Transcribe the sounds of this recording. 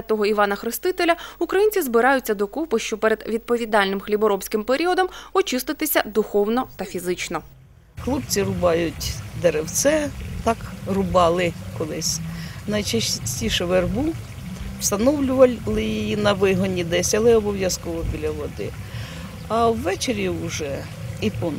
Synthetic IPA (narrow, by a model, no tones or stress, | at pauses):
ɐt̪ɔɦɔiʋɑnɐxɾɪst̪ɪt̪elʲɐukɾɐjinʲt͡sʲizbɪɾɑjʊt͡sʲːɐd̪ɔkupɪʃt͡ʃɔpɛɾed̪ʋʲid̪̚pɔʋʲid̪ɑlʲnɪmxlʲibɔɾɔbpsʲkɪmpeɾʲiɔd̪ɔmɔt͡ʃɪst̪ɪt̪ɪsʲɐd̪ʊxɔwnɔt̪ɐfʲizɪt͡ʃnɔ | xlˠɔpt͡sʲiɾʊbɑjʊtʲd̪eɾewsɛt̪ɑkrʊbɑlˠɪkɔlˠɪsʲnɐjt͡ʃɐsʲtʲiʃɛʋerbu | wst̪ɐnɔwlʲʊʋɐlˠɪjijinɐʋɪɦɔnʲːid̪ɛsʲɐlˠɛɔbɔʋjɐskɔʋɔbʲilʲɐʋɔd̪ɪ̰ | ɐwːɛt͡ʃeɾʲiʊʒɛ | ipɔn